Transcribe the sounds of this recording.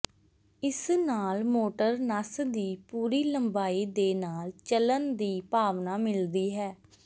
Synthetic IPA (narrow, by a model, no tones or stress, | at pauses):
ɪsnaːlmoːʈəɾnəsd̪iːpuːɾiːləmbaːiːd̪eːnaːlt͡ʃələnd̪iːpaːʋnaːmɪld̪iːɦɛː